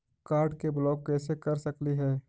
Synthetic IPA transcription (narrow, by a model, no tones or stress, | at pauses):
kaːɾɖkeblɔːkːɛːsekɐɾsɐkliɦɛː